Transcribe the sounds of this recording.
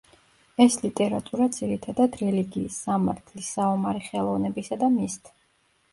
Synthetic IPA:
ɛslit̪ʼɛɾat̪ʼuɾad̪ziɾit̪ʰad̪ad̪ɾɛliɡiːsːamaɾt̪ʰlisaɔmaɾiχɛlˠɔvnɛbisad̪amist̪ʰ

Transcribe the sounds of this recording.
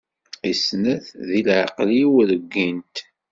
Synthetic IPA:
isnæθðilʕəqliwɾəɡːint̪

